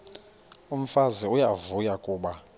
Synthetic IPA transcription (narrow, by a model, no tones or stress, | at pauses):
um̩faziujavujakʼuːɓa